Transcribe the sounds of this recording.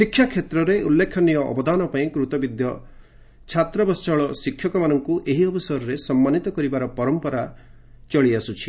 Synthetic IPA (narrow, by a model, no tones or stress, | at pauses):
sikʰːjakʰet̪ɾɔɾeʔulːekʰɔnijɔʔɔ̰bɔd̪anɔpaĩkɾut̪ɔbid̪jɔ | t͡ʃʰat̪ɾɔbɔst͡ʃɔɭɔsikʰjɔkɔmanɔŋkuʔeɦiɔbɔsaɾɔɾesɔmːanit̪ɔkɔɾibaɾɔpɔɾɔmpɔɾa | t͡ʃɔɭiasut͡ʃʰi̥